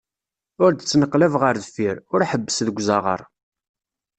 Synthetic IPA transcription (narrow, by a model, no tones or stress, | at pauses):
ʊɾd̪ət͡sːnəqːlævʁəɾðəfiɾʊɾħəbːəsðəɡʷzɑʁə̰ɾˤ